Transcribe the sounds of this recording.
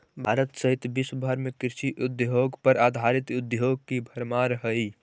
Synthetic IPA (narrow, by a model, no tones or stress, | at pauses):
bʱaɾət̪səɦit̪bisəbʱəɾmekiɾsiʔud̪joɡpəɾad̪ʱaɾit̪ud̪joɡ̚kibʱəɾmaɾəɦəj